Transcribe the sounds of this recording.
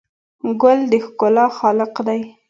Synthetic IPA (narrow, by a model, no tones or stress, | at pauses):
ɡʊld̪əxkʊlɑxɑlɪqd̪aj